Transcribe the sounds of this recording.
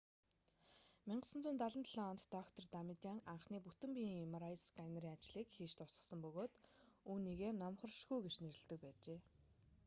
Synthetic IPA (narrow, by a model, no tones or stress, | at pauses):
miɴɢə̆sə̆nt͡suːnt̪aɮə̆nt̪ɮɔɔnt̪ːɔkt̪ʰɔ̆rt̪amit̪aŋaɴχniːput̪ɘ̆mpʲimaɾajskajnɾiːŋat͡ɕɮiːkxiːʃt̪ʊsə̆sə̆mpɵɣoːt̪ | uːniːɣeːnɔmχɞ̆rʃɡujɡet͡ɕneɾɘ̆ɮt̪ɘ̆k̚pæːt͡ɕeː